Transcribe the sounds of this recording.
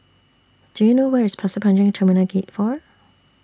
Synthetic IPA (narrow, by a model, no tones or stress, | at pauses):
d̥ujunowɛɹɪspʰlasəpʰãnd͡ʒɪ̃ŋtʰəminəɡet̚fɔɹ